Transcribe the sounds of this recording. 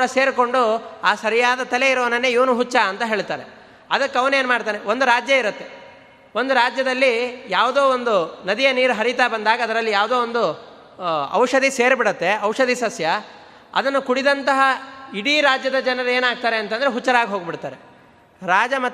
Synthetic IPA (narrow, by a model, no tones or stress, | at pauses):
ɽɐse̞ːɾko̞ɳɖuaːsɐɾijaːd̪ɐt̪ɐle̞iɾɐʋɐnɐnːeːiʋɐnuɦut͡ʃːaɐnt̪ɐɦe̞ːɭt̪aːɾe | ɐd̪ɐkːɐʋne̞ːnumaːɽt̪aːneʋo̞nd̪uɾaːd͡ʒjɐiɾɐt̪ːe | ʋo̞nd̪uɾaːd͡ʒjɐd̪ɐlːijaːʋd̪oːond̪unɐd̪ijɐniːɾuɦɐɾit̪aːbɐnd̪aːɡɐːd̪ɐɾɐlːijaːʋd̪oːond̪u | ɐ̰wʂɐd̪ise̞ːɾbiɽɐt̪ːe̞ɐwʂɐd̪isɐsjɐ | ɐ̰d̪ɐnːukuɽid̪ɐnt̪ɐɦɐiɽiɾaːd͡ʒjɐd̪ɐd͡ʒɐnɐɾɐe̞ːnaːɡ̚t̪aːɾe̞ɐnt̪ɐnd̪ɐɾeɦut͡ʃːɐɾaːɡiɦo̞ːɡbiɽt̪aːɾe | ɾaːd͡ʒɐmɐ